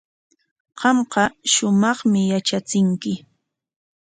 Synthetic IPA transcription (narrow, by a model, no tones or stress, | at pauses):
qɑmqɑʃʊmɑχmɪjat͡ʃat͡sɪŋkɪ